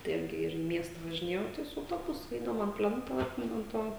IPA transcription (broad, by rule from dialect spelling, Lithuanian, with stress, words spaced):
tɐɪ ˈɪrʲɡʲɪ ˈɪr iː ˈmʲiɛstɐ ʋɐʒʲɪˈnʲeːjɛʊ ˈtɐɪ sʊ ɐʊˈtoːbʊsʊ ˈɛɪdɐʊm ɐn ˈpʲlʲɛntoː ˈɑːtʲmʲɪnʊ ɐn ˈtoː